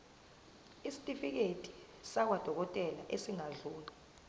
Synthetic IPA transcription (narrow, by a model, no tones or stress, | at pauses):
isi̥tʼifik̬etʼi̥ | sak̬wad̥ʱɔk̬ɔtʼɛlaʔesiŋaɮuːla